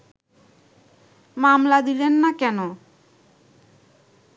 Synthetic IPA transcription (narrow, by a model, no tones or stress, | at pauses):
mamlad̪ilenːakɛno